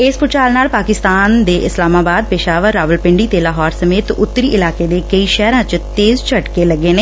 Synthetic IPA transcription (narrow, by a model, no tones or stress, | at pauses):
ɪspʊt͡ʃaːlnaːlpaːkɪst̪aːnd̪eːʔɪslaːmaːbaːd̪̚pɪʃaːʋəɾːaːʋəlpɪɳɖiːt̪eːlaːɦɔːɾsəmeːt̪ʊ̰t̪ːəɾiːʔɪlaːkeːd̪eːkəiːʃɛːɾãːt͡ʃt̪eːzt͡ʃʰəʈkeːləɡːeːneː